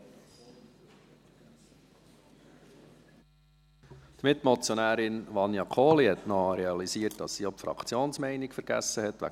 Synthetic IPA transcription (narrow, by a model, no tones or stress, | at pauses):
d̪̥mɪt̪ːmɔt͡sjonæːɾɪnʋɑnjɑkʰoːlihɛtnɔɾɛɑlisiːətd̥ɑsːiɔpfɾɑ̰kʰt͡sjoːnsmɛɪnɪkfəɾɡæ̰sːəhɛt̪ʋæ̰